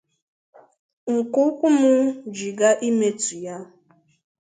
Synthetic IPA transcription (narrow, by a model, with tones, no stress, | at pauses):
ŋ̩˨kʊ˦kʷʊ˦mʊ˦d͡ʒi˨ɡa˦ʔi˦me˦tu˨ja˦